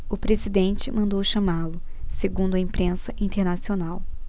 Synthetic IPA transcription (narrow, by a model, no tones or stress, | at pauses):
ʊpɾezid̪ẽnt͡ʃɪmɐ̃nd̪owʃɐmalʊseɡũnd̪ʊɐĩpɾẽsɐʔĩnt̪eɾnasionaw